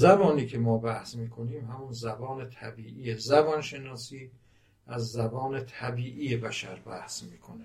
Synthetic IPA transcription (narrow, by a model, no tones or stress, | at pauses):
zæbɒːniːkʰemɒːbæhsmiːkʰo̞niːmhæmunzæbɒːnet̪ʰæbiːʔijezæbɒnʃe̞nɒːsiː | ʔæzːæbɒːnet̪ʰæbiːʔiːjebæʃæɾbæhsmiːkʰone